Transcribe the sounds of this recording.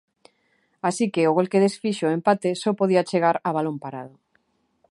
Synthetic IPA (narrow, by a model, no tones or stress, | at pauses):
asikeʊɣolkeðesfiʃoempat̪esɔpoð̞iat͡ʃeɣaɾaβalompaɾa̰ðʊ